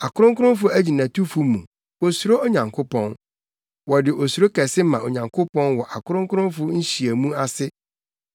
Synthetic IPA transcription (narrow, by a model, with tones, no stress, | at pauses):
a˨kʰʊ˦ɾʊ̃˦ŋkʊ˦ɾʊ̃˦fʊ˦æ˦d͡ʑi˨nã˨tʰu˦fu˦mũ˨ | o˨su˨˦ɾo˦o˦ɲã˨ŋkʰo˦pɔ̃˦n | wɔ˨dɪ˨ʔo˨su˨ɾo˦kɛ˨sɪ˦mã˨o˨ɲã˨ŋkʰo˦pɔ̃˦nwɔ˨ʔa˨kʊ˦ɾʊ̃˦ŋkʰʊ˦ɾʊ̃˦fʊ˦ɲ̩˦ɕi˨æ˨mũ˦a˨sɪ˦